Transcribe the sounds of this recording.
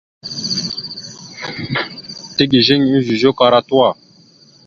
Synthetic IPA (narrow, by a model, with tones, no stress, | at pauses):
t̪e˦ɡi˨ʒe˦ɲ˨i˦zi˨ʒo˦ka˨ɾa˦t̪u˦a˨